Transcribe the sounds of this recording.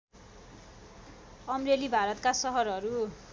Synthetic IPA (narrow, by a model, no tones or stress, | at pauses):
ʌmrelibʱaɾʌt̪kasʌɦʌɾʌɾu